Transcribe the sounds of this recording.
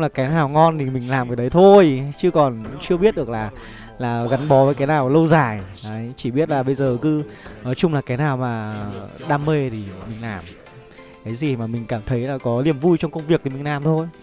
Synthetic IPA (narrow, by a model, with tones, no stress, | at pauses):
ŋ͡mlaː˨˩kaː˨˦naː˨˩wŋɔ˧nt̪ʰi˨˩mï˨˩ŋ̟laː˨˩mkaː˨˦ɗə˨˦jt̪ʰo˧jt͡ɕɨ˧kɔ˨˩nt͡ɕɨ˧əɓi˦˥t̚ɗɨ˨˩ək̚laː˨˩ | laː˨˩ɣa˨˦nɓɔ˨˦vəː˨˦jkaː˨˦naː˨˩wlə˧wzaː˧˩j | a˨˦t͡ɕi˧˩ɓi˦˥ət̚laː˨˩ɓə˧jzəː˨˩kɨ˧nɔ˨˦t͡ɕʊ˧ŋ͡mlaː˨˩kaː˨˦naː˨˩wmaː˨˩ɗaː˧mːe˧t̪ʰi˨˩mï˨˩ŋ̟laː˨˩m | kaː˨˦jzi˨˩maː˨˩mï˨˩ŋ̟kaː˧˩mt̪ʰə˨˦jlaː˨˩kɔ˨˦li˨˩əmvu˧jt͡ɕɔ˧wŋ͡mkə˧wŋ͡mvi˨˩ək̚t̪i˨˩mï̟˨˩laː˨˩mt̪ʰo˧j